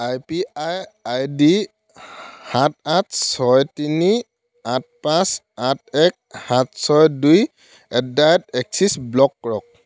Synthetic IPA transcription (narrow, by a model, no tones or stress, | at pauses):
ajpiajajdi | hat̚atsɔjtini | at̚pãs | at̚ɛk̚hatsɔjduj | ɛdajtɛksisblɔkːɔɹɔk̚